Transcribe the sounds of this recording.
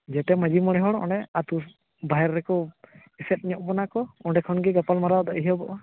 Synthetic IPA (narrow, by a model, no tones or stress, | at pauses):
d͡ʒɛt̪ɛməd͡ʒimɔɽ̃ɛɦɔɽɔɔ̰̃ɖɛat̪u | baɦɛɾːɛkɔ | isɛt̪̚ˀɲɔʔbɔnakɔɔɖɛkʰɔnɡiɡapalmaɾad̪ɔʔɦiɔbɔʔɔ